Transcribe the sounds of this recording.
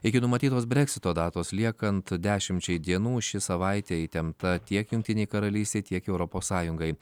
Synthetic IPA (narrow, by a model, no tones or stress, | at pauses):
ɪkʲɪnʊmɐt̪ʲiːt̪oːs̬bʲɾʲɛksʲɪt̪oːd̪ɑːt̪oːslʲiɛkɐnt̪d̪ʲæːʃʲɪmʲt͡ʃʲɛɪd̪ʲiɛnuːʃʲɪsɐʋɐɪt̪ʲeːt̪ʲɛmt̪ɐt̪ʲiɛkjʊŋʲkt̪ʲɪnʲeːjkɐɾɐlʲiːsʲt̪ʲeːt̪ʲiɛkɛʊɾɔpoːssɑːjʊŋɡɐɪ